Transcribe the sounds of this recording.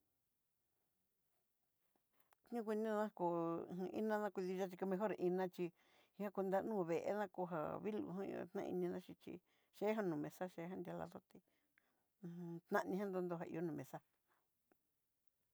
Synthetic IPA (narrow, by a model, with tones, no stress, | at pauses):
tɲũ˦kʷi˧nĩ˦ã˦˧kõ˨˧˨ḭ˦nã˦nã˦˧kʷi˧ði˧ʒa˦t͡ʃi˧ka˧mẽ˧ɦo˦ɾʔi˧nã˧t͡ʃi˧ | ĩ˧hã˦ku˧nd̪a˧nũː˦˨βe˨ʔḛ˦nã˦ko˧ɦa̰˨βi˦lṵ˨ɦã˦ḭ˧o̰˧t̪nã̰˦˧ḭ˧nĩ˧ðã˦˧t͡ʃi˧t͡ʃḭ˧ | ʃe˦ɦa˦nũ˨mẽ˨sa˦ʃe˧˦ɦã˦nd̪ja˧la̰˧ðo˦t̪i˧ | t̪nã˦ʔnĩ˧ɦã˦nd̪o˧˦nd̪o˧ɦa˧ḭ˧o˦nũ˨mẽ˨sa˦